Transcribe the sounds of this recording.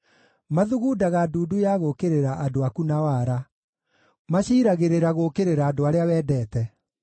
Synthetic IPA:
maðuɣuːdaɣaːduːdujaɣokeɾeɾaʔadoakunawaɾa | maɕiːɾaɣeɾeɾaɣokeɾeɾaːdoaɾeawɛːdɛːtɛ

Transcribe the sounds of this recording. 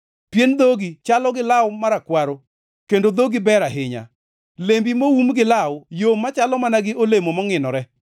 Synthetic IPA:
pjend̪oɡit͡ʃalɔɡɪlawmaɾakwaɾo | kendod̪oɡibɛɾaɦɪɲa̰ | lembimowumɡɪlawjomːat͡ʃalɔmanaɡɪolemomɔŋɪnɔɾɛ

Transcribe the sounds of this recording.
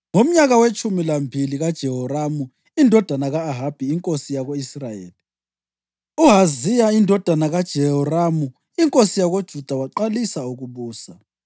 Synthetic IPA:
ŋom̩ɲaɣawet͡ʃʼumilambʱiliɣad̥ʒ̥ʱɛɦɔramu | indʱɔd̥ʱanaɣaːɦab̥ʱiiŋkʼosijaɣoisrajḛːli | uɦazijaindʱɔd̥ʱanaɣad̥ʒ̥ʱɛɦɔramu | iŋkʼosijaɣod̥ʒ̥ʱud̥ʱawaǃalisauɣuβuːsa

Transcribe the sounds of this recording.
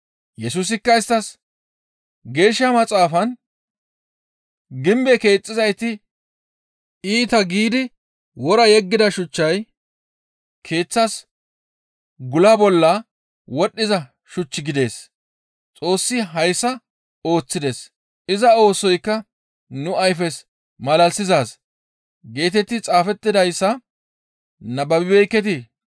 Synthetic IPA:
jɛsuːs̬ɪkːɐɪst̪ːɐs | ɡe̞ːʃːɐmɐt͡sʼaːfɐn | ɡɪmbɛke̞ːt͡sʼːɪzɐjt̪ɪ | iːt̪ɐɡiːd̪ɪ | wɔɾɐjɛɡːɪd̪ɐʃʊt͡ʃːɐj | kʰe̞ːt͡sːɐs | ɡʊlɐbɔlːɐ | wɔɗːɪzɐ | ʃʊt͡ʃːɪɡɪd̪e̞ːs | t͡sʼo̞ːsːɪɦɐjsːɐ | o̞ːt͡sːɪd̪e̞ːs | ɪzɐo̞ːsɔjkːɐ | nʊɐjfɛs | mɐlɐlsɪzaːs | ɡe̞ːt̪ɛt̪ːɪt͡sʼaːfɛt̪ːɪd̪ɐjsːɐ | nɐbɐbɪbɛjkːɛt̪̬ɪ

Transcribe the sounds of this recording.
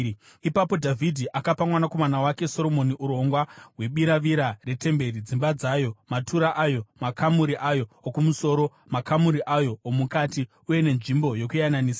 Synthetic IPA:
ipapo̞dʱavʱidʱiʔakapamwanako̞manawake̞so̞ɾo̞mo̞niʔuɾo̞ŋɡwaɦwe̞ɓiɾaʋiɾare̞te̞mbe̞ɾid͡zimbad͡zaːjomatʰuɾaʔajo̞makʰamuɾiʔajo̞ːkumuso̞ːɾo̞ | makamuɾiʔajo̞ːmukati | uje̞ne̞nʐimbo̞jo̞kujananiːsa

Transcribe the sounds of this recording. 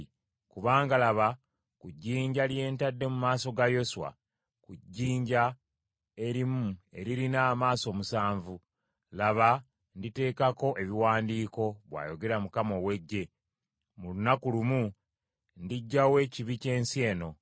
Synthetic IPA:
kuβaːŋɡalaβa | kuɟːiːɲɟalje̞ːntadːe̞mumaːso̞ɡajo̞swa̰ | kuɟːiːɲɟa | e̞ɾimue̞̰ɾiɾinaːmaːso̞ːmusaːɱvu | laβa | ndite̞ːkako̞ʔe̞βiwaːndiːko̞βwa̰ːjo̞ɡe̞ɾamukamo̞we̞ɟːe̞ | mulunakulumu | ndiɟːawe̞ːciβice̞ːnsie̞ːno̞

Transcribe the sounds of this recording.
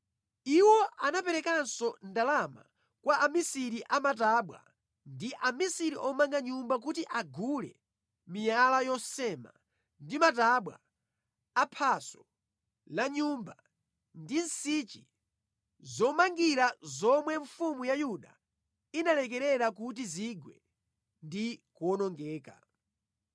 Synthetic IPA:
iwɔʔanapɛɾɛkansɔndalama̰ | kwaʔamisiɾiʔamataɓwa̰ | ndiʔamisiɾiʔɔmaŋɡaɲumbak̬utiʔaɡulɛ̰ | mijalajɔsɛma̰ | ndimataɓwa̰ː | pʰasɔ̥ | laɲumba | ndinsit͡ʃḭ | zɔmaŋɡiɾazɔmwɛɱfumujajuɗa̰ | inalɛk̬ɛɾɛɾak̬ut̬iziɡwɛ | ndikuɔnɔŋɡɛːka̰

